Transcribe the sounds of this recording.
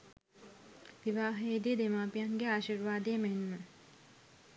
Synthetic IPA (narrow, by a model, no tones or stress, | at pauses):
ʋiʋaːɦejd̪ijəd̪emaːpijaŋɡeaːʃirʋaːd̪əjəmenmə